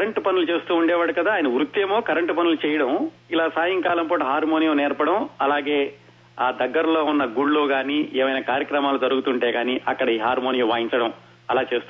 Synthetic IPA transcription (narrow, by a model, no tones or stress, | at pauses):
kɐɾɐɳʈpɐnulut͡ʃe̞ːst̪uːɳɖɛːʋaːɽukɐd̪aːjɐnɐʋɾut̪ːeːmo̞ːkɐɾɐɳʈpɐnulut͡ʃɛːjɐɽɐm | ilaːsaːjɐŋkaːlɐmpoːʈuɦaːɾmoːnijɐmnɛːɾpɐɽɐmɐlaːɡe̞ː | aːd̪ɐɡːɐɾɐlo̞ːunːɐɡuɽluːɡaːniːʔɛːmɐjnaːkaːɾjɐkɾɐmaːlut̪ɐɾuɡut̪uɳʈeːɡaːniʔɐkːɐɽɐiːɦaːɾmoːnijɐmʋaːjiɲt͡ʃɐɽɐm | ɐlaːt͡ʃe̞ːst̪u